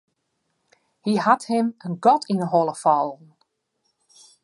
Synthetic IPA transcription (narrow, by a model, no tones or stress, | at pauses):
hihathɪmənɡɔtʰinəɦɔlˠəfɔlˠn̩